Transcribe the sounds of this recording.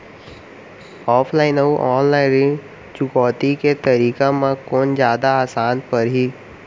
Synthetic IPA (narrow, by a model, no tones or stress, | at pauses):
ɔːpʰlaːɪnɐuʔɔːnlaːɪ̃nɾɪ̃ | t͡ʃʊɡɔːt̪iket̪ɐɾiːkamãkoːnd͡ʒjaːd̪aaːsaːnpɐɾɦiː